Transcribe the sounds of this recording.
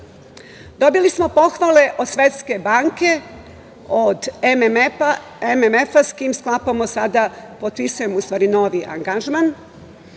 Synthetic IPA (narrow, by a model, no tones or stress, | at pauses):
d̪o̞bilismo̞po̞xʋale̞ʔod̪sʋe̞t̪ske̞baːŋke̞ | od̪emma | ememefaskiːmsklapamosad̪apot̪pisujemoust̪ʋaːɾinoːʋiʔa̰ŋɡaʒman